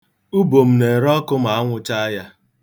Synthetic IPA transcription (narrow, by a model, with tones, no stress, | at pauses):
u˦bo˨m̩˨ne˨ɾɔ˦kʊ˦m̩˦a˨a˦ŋʷʊ˦t͡ʃa˦ja˦